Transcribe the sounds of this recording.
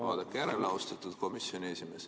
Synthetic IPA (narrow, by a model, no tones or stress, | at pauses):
ɑ̰ːd̪̥ekːˑjæɾelɑust̪ɑt̪ːud̪̥ko̞misjo̞nʲieːsʲime̞ːs